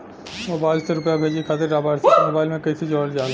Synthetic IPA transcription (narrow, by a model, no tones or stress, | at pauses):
moːbaːɪlseɾʊpjabʱeːd͡ʒiekʰaːt̪̬eɖaːbaːɪɾsmoːbaːɪlmẽkɐised͡ʒɔːɾd͡ʒaːlẽ